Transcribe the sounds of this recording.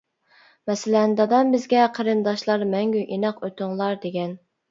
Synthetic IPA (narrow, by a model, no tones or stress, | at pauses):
mɛsɪlɛnd̪ɑd̪ɑnbɪzɡʲɛqʰəɾɨnd̪ɑʃlˠɑɾmɛŋɡʲyʔinɑqøt̪ʊŋlˠɑɾd̪eɡʲɛn